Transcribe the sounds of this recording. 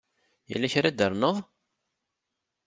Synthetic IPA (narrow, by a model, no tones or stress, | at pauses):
jæ̰lːæçɾad̪əɾˤnəðˤ